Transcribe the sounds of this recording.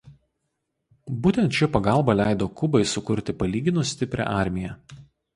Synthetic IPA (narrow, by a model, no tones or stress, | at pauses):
buːt̪ʲɛnt̪t͡ʃʲɛpɐɡɑˑlˠˑbɐlʲæɪd̪oːkʊbɐɪsʊkʊɾʲt̪ʲɪpɐlʲiːɡʲɪnʊsʲt̪ʲɪpʲɾʲɛ̰ʔɑˑɾʲmʲɪjɛ